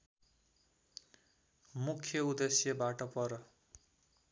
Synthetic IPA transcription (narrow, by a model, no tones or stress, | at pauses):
mukʰjʌud̪esjʌbaʈʌpʌɾʌ